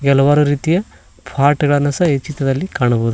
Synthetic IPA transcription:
ɡɛlːɐʋaːɾuɾiːt̪ijɐ | bʰʱaːʈɐɡɐɭɐnːɐsɐet͡ʃːit̪ʋɐd̪ɐlːikaːɳɐboːd̪u

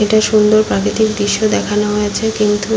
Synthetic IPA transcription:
eʈaʃund̪oɾpɾakɾit̪ikd̪ɾiʃːod̪ɛkʰanoɦojet͡ɕʰekint̪u

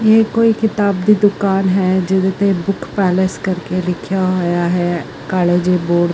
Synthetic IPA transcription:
jeːkoːikɪt̪aːbd̪id̪ʊkaːnɦɛːd͡ʒɪd̪et̪ebʊkʰpɛːleskəɾkelɪkʰjaɦojaɦɛː | kaːleːd͡ʒeboːɖ

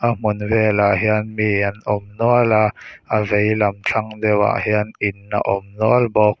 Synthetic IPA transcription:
ʔam̥unvɛlaɦiənmianʔɔmnuəlaʔavejlɐmt͡ɬʰaŋdɛwa̰ʔhiənʔinːa̰ʔɔmnuəlbɔk̚

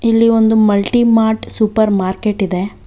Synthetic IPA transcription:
ilːio̞nd̪umɐlʈimaːɾʈsupɐɾmaːɾkeʈid̪e̞

